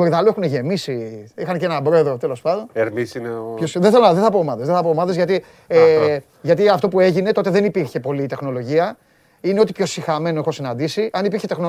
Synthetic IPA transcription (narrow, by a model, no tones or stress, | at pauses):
oɾiðɐloe̞xuneʝe̞misiixɐncenɐbɾo̞e̞ðɾot̪e̞lo̞spɐnd̪o̞neɾmisineopçosðeθelonðeθɐpoːmɐðeðeθɐpoːmɐðezʝɐt̪i | e | ʝɐt̪iɐft̪o̞pue̞ʝine̞t̪o̞t̪e̞ðe̞nipiɾçe̞po̞lit̪e̞xno̞lo̞ʝiɐ | ine̞o̞t̪ipço̞sixɐme̞noexo̞sinɐnd̪isiʔɐnipiɾçe̞t̪e̞xno